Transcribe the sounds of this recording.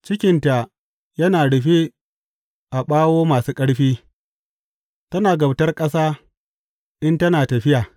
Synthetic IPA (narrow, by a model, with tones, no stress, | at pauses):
t͡ʃɪ˦kʲɪ˨nta˨ | jɐ˦naː˨ɽɪ˨ɸi˦ | ʔa˨ɓaː˦woː˦maː˨suː˦kʼɐ˦ɽɸiː˦ | tɐ˦naː˨ɡɐ˨btɐ˦rkʼɐ˦saː˦ | ʔɪ˦ntɐ˦naː˨tɐ˨ɸɪ˦jaː˨